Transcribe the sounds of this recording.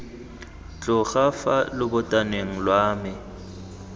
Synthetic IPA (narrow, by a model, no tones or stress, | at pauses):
t͡ɬʼʊɣafalɪbʊtʼaneŋ̩lwaːmɪ